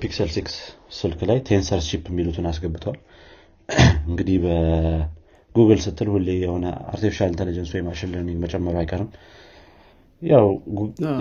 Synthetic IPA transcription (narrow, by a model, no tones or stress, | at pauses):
piksəlsiksːɨlkʰlajt̪ʰe̞nsəɾʃipːɛmːilut̪ʰɨnasɡəbːɨt̪ʰwal | ɨŋɡɨd̪ihbə | ɡ̥uɡəlsɨt̪ʰʼːɨlhulːejɛho̞nəa̰ɾt̪ʰifiʃalɨnt̪ənəd͡ʒənsuwjɛmaʃɪlːənɛmət͡ʃʼɛmːəɾoajkʼəɾɨm | jaw